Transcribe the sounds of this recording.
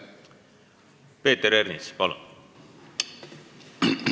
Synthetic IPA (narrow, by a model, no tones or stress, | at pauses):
pe̞ːt̪ːeɾernispɑlṵn